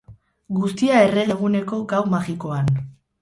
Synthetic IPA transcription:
ɡust̪iae̞re̞ɣe̞ɣ̞une̞ko̞ɡawmaɣiko̞an

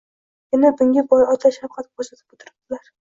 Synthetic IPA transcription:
jʲɪnabʊŋʲabɒjɒt̪ʰaʃafqʰɑt̪̚kosat̪ʰɪ̥pʊt̪ʰɪɾɪp̚d̪ɪlaɾ

